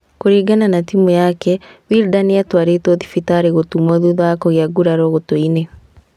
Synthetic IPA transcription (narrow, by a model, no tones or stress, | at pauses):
koɾiːɡananatimujakɛwiɾdaniatwaɾetoðifitaɾeɣotumɔðuðwakɔɣjaɡuɾaɾɔɣotoine